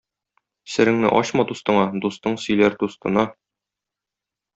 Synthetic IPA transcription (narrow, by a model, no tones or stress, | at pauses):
sɘ̆ɾɘ̆ŋnɘ̰ʔɒ̰ɕmɑd̪ust̪ɤ̆ɴɑd̪ust̪ɤɴsɵ̆jlæɾd̪ust̪ɤ̆nɑ